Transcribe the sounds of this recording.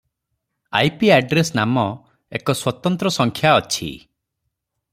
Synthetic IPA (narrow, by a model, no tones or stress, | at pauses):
a̰jpiaɖɾesnamɔ | ekɔswɔt̪ɔnt̪ɾɔsɔŋkʰjaɔt͡ʃʰḭ